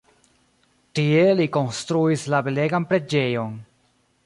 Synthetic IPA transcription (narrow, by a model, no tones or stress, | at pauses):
tie̞liko̞nstɾuislabele̞ɡanpɾe̞d͡ʒe̞jo̞n